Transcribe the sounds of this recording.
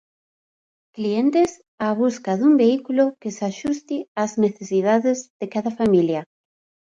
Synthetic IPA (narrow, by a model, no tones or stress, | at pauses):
klient̪es | aβ̞uskaðumbeikulokɪsaʃust̪iazneθesiðaðɪzðekaðɐfamiljɐ